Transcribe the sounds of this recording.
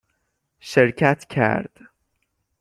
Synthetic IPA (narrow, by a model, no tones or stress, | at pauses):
ʃeɾcʰæt̪ʰcʰæ̰ɾd̪̥